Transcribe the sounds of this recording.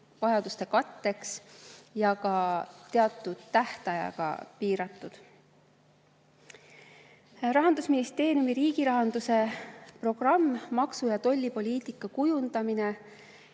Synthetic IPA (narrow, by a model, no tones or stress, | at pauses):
vɑjɑd̪̥ust̪e̞kɑt̪ːe̞ksjɑkɑt̪e̞ɑt̪ˑːud̪̥t̪æht̪ɑjɑ̰ɡ̥ɑ̰piːɾɑt̪ːˑud̪̥ | rɑɦɑnd̪usminist̪e̞ːɾijumiɾiːɡ̥iɾɑɦɑnd̪̥use̞pro̞ɡ̥rɑmːɑksujɑt̪o̞lʲːipo̞lʲiːt̪ikːˑɑkujund̪̥ɑmine